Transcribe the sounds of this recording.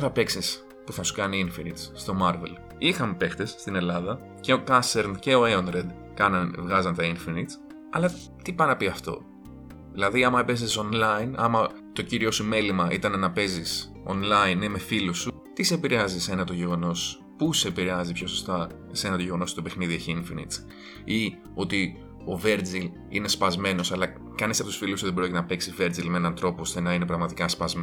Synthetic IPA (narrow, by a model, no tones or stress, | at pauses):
θɐpe̞ksis | puθɐsu̥kɐniinfinit̪sːt̪o̞mɐɾve̞̰l | ixɐmpe̞xt̪e̞sːt̪ine̞lɐðɐ | ce̞o̞kɐseɾnce̞o̞eonɾed̪ | kɐnɐnvɣɐzɐnt̪ɐinfinit̪s | ɐ̰lɐ | t̪ipɐnɐpiɐft̪o̞̰ | ðilɐðiɐmɐpe̞ziso̞nlɐinɐ̰mɐ | t̪o̞ciɾio̞sume̞limɐʔit̪ɐnɐnɐpe̞zis | o̞̰nlɐineme̞filusu | t̪isepiɾeɐzise̞nɐt̪o̞ʝe̞ɣo̞no̞s | puseepiɾeɐzipço̞sost̪ɐ | se̞nɐt̪oʝe̞ɣonost̪ope̞xniðioçiɱfinḭt͡s | i | o̞t̪i | o̞ve̞ɾd͡zil | ḭne̞spɐzme̞no̞sɐlɐ | kɐnisɐpot̪usfilusuðebɾoc̪ʲnɐpeksive̞ɾd͡zilmeenɐnt̪ɾo̞poost̪enɐinepɾɐɣmɐt̪ikɐspɐzme